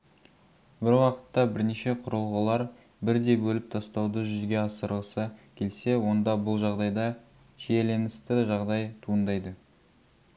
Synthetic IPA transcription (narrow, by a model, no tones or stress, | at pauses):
bɪɾwɑqə̥t̪ːɑbɪɾneʃe̞qʰʊɾəlˠʁəlˠɑɾ | bɪɾd̪e̞jbɵlɪp̚t̪ʰɑst̪ɑwd̪əʒʏzɡʲe̞ɑsəɾlˠəsəkʲʰe̞lse̞wo̞nd̪ɑbʊlˠʒɑʁd̪ɑjd̪ɑ | ʒeele̞nɪst̪ɪʒɑʁd̪ɑjt̪ʰuənd̪ɑjd̪ə